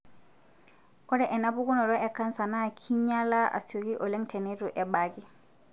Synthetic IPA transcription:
kɔ˦dɛ˨ʔɛ˨na˦bu˦ɡu˦nɔ˨ɾɔ˦ʔɛ˨ka˦nsa˨na˦˨kʰi˦ɲa˦la˦ʔa̰˨si˨o˨ki˦ʔɔ˨le˦ŋtɛ˨ne˦tu˨ʔɛ˨ba˨ki˦

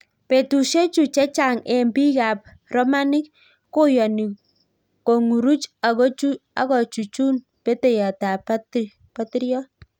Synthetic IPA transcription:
pe˨tu˨ʃe˦t͡ʃu˨t͡ʃɛ˦t͡ʃa˨ŋɛ˨mbi˦ka˨p̚ | rɔ˦ma˦nɪ˦kː | o˦jɔ˨ni˨ | ko˨ŋu˨ɾu˦t͡ʃa˨ɣo˦t͡ʃu˦a̰˨˦kɔ˨t͡ʃu˨t͡ʃu˦n | pe˦te˨ja˨ta˨pat | pa˦ti˦ɾjɔ˦

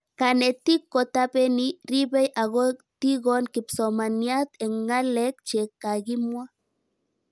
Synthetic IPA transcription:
ka˨ne˨t̪i˦kːo˨t̪ape˦ni˦ɾi˦be˦jʔa˨ɣo˦t̪i˦ɣonki˨pso˨ma˨nja˦t̪e˨ŋɡa˦le˦kt͡ʃe˨ka˨ɣi˦mwa˦

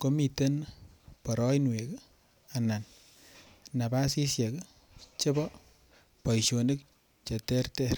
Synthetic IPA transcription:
ko˦mi˨te˦npɔ˨ɾɔ˦jnwe˨k | a˨na˨n | na˨ba˦si˦sje˨k | t͡ʃe˦bɔ˦ | pɔ˨jʃo˨ni˦k̚ | t͡ʃe˨tɛ˦rtɛ˦ɾ

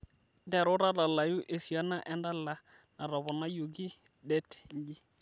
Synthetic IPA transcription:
dɛ˨ɾʊ˦ɾa˦da˨la˨ju˦ʔe˨fi˨a˦na˦ʔɛ˨nda˦la˦ | na˨ɾɔ˨bɔ˨na˦jo˨ɡi˦ | dɛ˦tŋɡi˦

